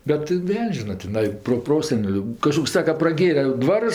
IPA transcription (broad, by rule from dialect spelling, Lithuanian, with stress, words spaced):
bʲɛt ˈʋʲɛlʲnʲsʲ ˈʒʲɪnɐ tʲɪˈnɐɪ proːˈproːsʲɛnʲɛlʲʊ kɐˈʃkoːks ˈsɑːkɐ prɐˈɡʲeːrʲɛ ˈdʋɑːrʊs